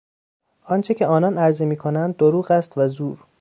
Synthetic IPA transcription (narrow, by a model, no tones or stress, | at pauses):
ʔɒnt͡ʃʰe̞cʰe̞ɒːnɒnæɾzemiːkʰonænd̪̚ːoɾuːɣæst̪væzuːɾ